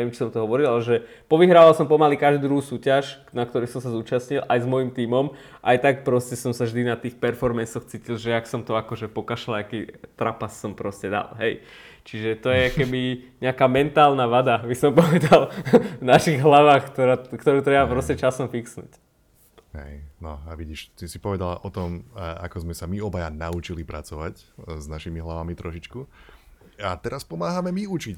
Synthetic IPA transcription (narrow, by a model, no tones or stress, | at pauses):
ɛʋjɛmt͡ʃi̥sɔmt̪ɔɦɔʋɔɾilˠalɛʒɛ | pɔʋiɦɾaːʋalˠsɔmpɔmalikaʒd̪ud̪ɾuɦuːsuːcaʃnak̚t̪ɔɾisɔmsazuːt͡ʃasɲilʔajzmɔjimt̪iːmɔm | ʔajt̪ak̚pɾɔscɛsɔmsavʒd̪inat̪iːxpɛɾfɔɾmɛnsɔxt͡siːcilˠʒɛaksɔmt̪ɔakɔʒɛpɔkaʃalakit̪ɾapasːɔmpɾɔscɛd̪a̰lɦɛj | t͡ʃiʒɛt̪ɔjɛakɛbiɲɛakaːmɛnt̪aːlnaʋad̪abisɔmpɔʋɛd̪alˠvnaʃiɣɦlaʋaːxkt̪ɔɾakt̪ɔɾuːt̪ɾɛbapɾɔstɛt͡ʃasɔmfiksnṵːc | ɦɛ̰jnɔaʋiɟiʃt̪isipɔʋɛd̪alaʔɔt̪ɔma̰kɔzmɛsamiɔbajanaut͡ʃilipɾat͡sɔʋacznaʃimiɦlaʋamit̪ɾɔʃit͡ʃku | at̪ɛɾaspɔmaːɦamɛmiut͡ʃic